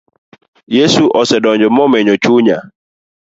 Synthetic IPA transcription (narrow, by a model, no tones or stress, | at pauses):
jesuʔɔsɛdɔnd͡ʒɔmɔmeɲot͡ʃuɲa